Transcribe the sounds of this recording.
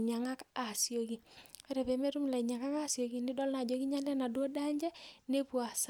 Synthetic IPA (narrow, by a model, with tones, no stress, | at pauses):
ɲa˨ŋa˦ka˨sijo˨ɡi˨ɛ˦ɾɛ˨pɛ˨me˦ɾu˦m˨la˨i˨ɲa˨ŋa˦ka˦sjo˨ɡi˨nɪ˦dɔ˦lna˨d͡ʒo˦ki˦ɲa˦lɛ˦na˨dwo˦da˦ɲd͡ʒɛ˦ne˦pwa˨s